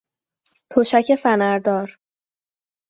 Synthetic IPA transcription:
t̪ʰoʃæcʰe̞fænæɾd̪ɒːɾ

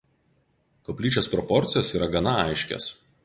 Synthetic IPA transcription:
kɔpʲlʲiːt͡ʃʲospɾɔpɔɾʲt̪sʲɪjoːsiːɾɐɡɐnɐɐɪʃʲkʲɛ̰s

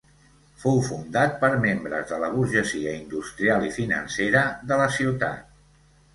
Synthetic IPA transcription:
fowfund̪at̪̚pəɾmembɾə̰zðələβ̞uɾʒəziəind̪ust̪ɾialˠifinə̰nseɾəðələsiwt̪a̰t̪̚

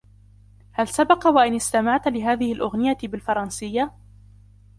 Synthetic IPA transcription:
halsabɑqɑwaʔɪnɪst̪amaʕt̪lɪɦaːðɪhɪlʔʊɣnɪjabɪlfɑɾˤɑnsɪjːa

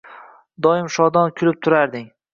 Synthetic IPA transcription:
d̪ɒjɪmʃɒd̪ɒnkʲʰʊlɪp̚t̪ʰʊɾaɾd̪ɪŋ

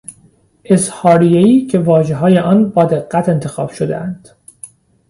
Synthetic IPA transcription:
ʔe̞shɒːɾijeiːcʰe̞vɒːʒeɦɒːje̞ʔɒːnbɒːd̪e̞ɣːæt̪ʰe̞nt̪ʰe̞xɒːb̥ʃod̪ḛʔænd̪̥

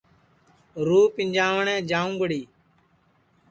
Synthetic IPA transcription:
ɾuːpɪ̃ɲd͡ʒaːʋɳɛ̃ːd͡ʒãːũːɡəɽiː

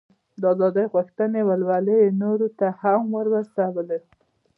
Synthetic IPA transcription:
d̪əɑzɑd̪əjɣuxt̪ənewəlwaləjenoɾot̪ahamwəɾwasawəle

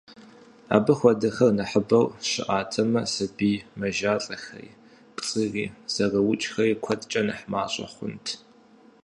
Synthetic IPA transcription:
a̰ːbɐxʷɐdɐxɐrnɐħəbɐwɕɪ̰ʔaːtʰɐmɐsɐbiːmɐʒaːɬʼɐxɐ̰j | pʼt͡sʼɨriːz̥ɐrɐwʊt͡ʃʼxɐjɪkʷʰɐtʼt͡ʃʼɐnɐħma̰ːɕʼɐ̰χʷʊ̰ntʰ

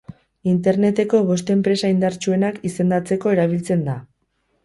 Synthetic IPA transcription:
int̪e̞ɾne̞t̪e̞ko̞β̞o̞st̪e̞mpɾe̞saind̪aɾt͡ʃue̞nakise̞nd̪at͡se̞ko̞e̞ɾaβ̞ilt͡se̞nd̪a

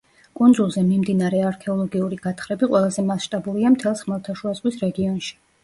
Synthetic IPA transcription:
kʼund̪zulˠzɛmimd̪inaɾɛaɾkʰɛɔlˠɔɡiuɾiɡ̥at̪ʰχɾɛbiqʼwʔɛlˠazɛmasʃt̪ʼabuliamt̪ʰɛlˠsχmɛlˠt̪ʰaʃuazʁwisɾɛɡiɔnʃi̥

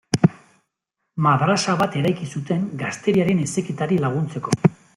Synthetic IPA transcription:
maðɾasaβat̪e̞ɾajkisut̪e̞ŋɡast̪e̞ɾiaɾe̞ne̞sekit̪aɾilaɣ̞unt͡se̞ko̞

